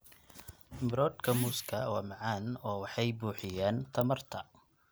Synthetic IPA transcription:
mɪɾɔːd̪kʰɐmuːskʰɐwaːmɑʕɑːnɔːwɑħɑjbuːħɪjaːnt̪ʰɐmɐrt̪ʰɐ

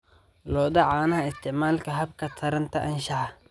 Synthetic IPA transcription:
lɔːd̪ɐʕaːnɐhɐɪst̪ʰɪʕmaːlkʰɐɦɐb̚kʰɐt̪ʰɐɾɐnt̪ʰɐʔɐnʃɐʕɑ

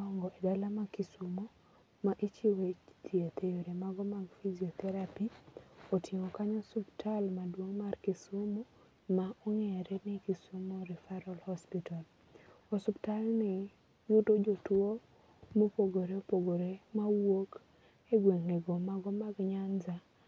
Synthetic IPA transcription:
ɔŋɡɔedalamakisumo | maʔit͡ʃiwet͡ʃtʰjet̪ejoɾemaɡɔmaɡfiziɔt̪ɛɾapiotʰjemokaɲɔsuptʰalmadwoŋmarkisumo | maɔŋɛɾɛnɪkisumoɾɪfaɾɔlhɔspital | ɔsuptalnɪ | jʊdod͡ʒotwo | mopoɡoɾeopoɡoɾemawok | eɡweŋneɡomaɡɔmaɡɲand͡ʒa

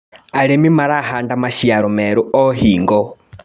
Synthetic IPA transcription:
aɺemimaɾaɦandamaʃiaɾɔmɛɾuɔːɦiːŋɡɔ

